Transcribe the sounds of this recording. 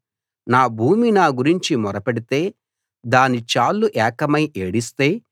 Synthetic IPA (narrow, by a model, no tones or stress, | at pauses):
naːbʱuːminaːɡuɾiɲt͡ʃimɔɾɐpeɽit̪e̞ː | d̪aːnit͡ʃaːlːuʔɛːkɐmɐjʔeːɽist̪e̞ː